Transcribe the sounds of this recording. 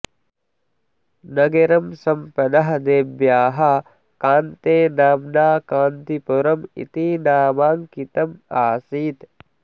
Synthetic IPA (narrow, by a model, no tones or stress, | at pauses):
nɐɡɐɾɐmsɐmpɐd̪ɐɦɐd̪eːbjaːɦɐ | kaːnt̪eːnaːmnaːkaːnt̪ipuɾɐmḭt̪inaːmaːŋkit̪ɐmaːsiːt̪